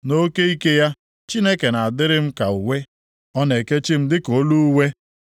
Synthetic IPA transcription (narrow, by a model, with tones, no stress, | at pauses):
no˦ke˦i˦ke˦ja˦ | t͡ʃi˦ne˦ke˨na˨a˨dɪ˦ɾɪ˦m̩˦ka˨u˨we˦ | ɔ˦ne˨ke˦t͡ʃi˦m̩˦dɪ˦ko˨˦lu˦we˦